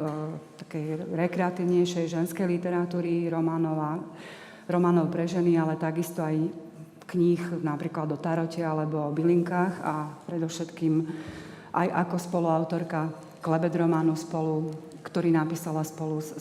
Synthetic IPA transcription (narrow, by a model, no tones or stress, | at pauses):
t̪ḁkɛjɾɛkɾɛat̪iʊɲɛjʃɛjʒɛnskɛjlit̪ɛɾat̪uːɾiɾɔmaːnɔʋa | ɾɔmaːnɔʊpɾɛʒɛnialɛt̪aɡist̪ɔaj | kɲixnapɾiːklad̪ɔt̪aɾɔcɛalɛbɔɔbiliŋkaːxa̰pɾɛd̪ɔfʃɛt̪kiːm | ʔa̰jʔakɔspɔluaʊt̪ɔɾka | klɛbɛd̪ɾɔmaːnuspɔlu | kt̪ɔɾiːnapiːsalaspɔlu